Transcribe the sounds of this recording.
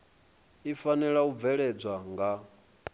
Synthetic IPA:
ifanɛɺaub̪vɛɺɛd͡zʷaŋɡa

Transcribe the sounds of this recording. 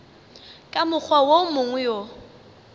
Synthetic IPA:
kʼamʊk͡xʰwawomʊŋjo

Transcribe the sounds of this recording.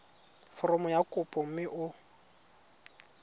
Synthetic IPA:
fɔrɔmʊjakʼʊpʼɔm̩mɪʔʊ

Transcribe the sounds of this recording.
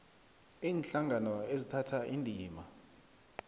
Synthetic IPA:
iːnɬaŋʱanɔezitʰatʰaʔindʱiːma

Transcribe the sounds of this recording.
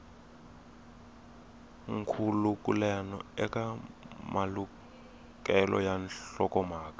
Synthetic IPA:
ŋkʰulukʼulɛnɔ̰ɛkʼamalu | kʼɛlɔ̰janɬɔkʼɔmaːkḁ

